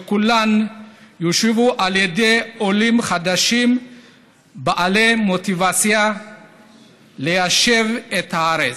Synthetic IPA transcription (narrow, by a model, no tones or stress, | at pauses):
ekulanjoʃevuʔaljede̞jolimχad̪aʃim | baʔalemo̞t̪ivat͡sja | lejaʃe̞vet̪haaɾet͡s